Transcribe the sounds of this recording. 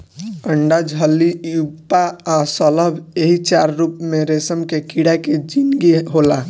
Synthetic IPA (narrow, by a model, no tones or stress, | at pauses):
əɳɖad͡ʒʱɦəliupaasɔləbeɦit͡ʃaɾːuːpmẽɾesəmkekiɽaked͡ʒinɡeɦola